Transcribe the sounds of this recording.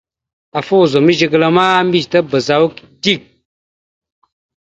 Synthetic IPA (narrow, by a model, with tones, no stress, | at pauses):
a˨fo˦˨zo˨mi˦d͡ʒi˦ɡə˦lə˦maː˦m̩˦bi˦˨tə˦bə˨za˨˦wu˦k | di˦˨k̚